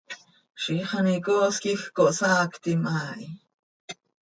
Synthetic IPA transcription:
ʃiχanikoːskixkoʔsaːkt̪imʔaːʔi

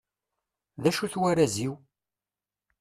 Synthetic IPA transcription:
ðæʃuθwæɾæziw

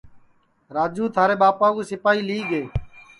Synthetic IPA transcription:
ɾaːd͡ʒuːt̪ʰaːɾeːɓaːpãːkuːsɪpaːiːliːɡeː

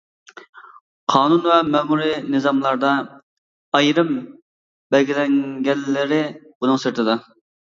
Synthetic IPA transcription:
qʰɑːnunwɛmɛmuɾinɨzɑmlˠɑɾd̪ɑ | ɑjɾɨm | bɛlɡʲilɛŋɡʲɛnːɪɾɪb̥unɨŋsɨɾt̪ʰɨd̪ɑ

